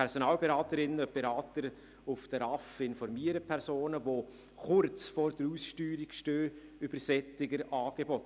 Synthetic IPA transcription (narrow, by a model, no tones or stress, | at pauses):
ɛɾsonɑːlbeɾɑːtəɾɪnəb̥eɾɑːtəɾ | ʊfd̥əɾɑfɪnfɔɾmiəɾəpʰɛɾsoːnəvoː | χʊɾt͡sfoːɾd̥əɾuːsʃtyːɾikʃtøːyb̥əɾsɛt͡sɪɡəɾɑːɡ̥ebɔt